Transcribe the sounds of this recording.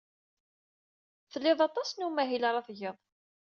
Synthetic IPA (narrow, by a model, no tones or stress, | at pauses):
θəlːɪðˤɑt̪ˤɑsnumæɦilɾˤɑθʝəðˤ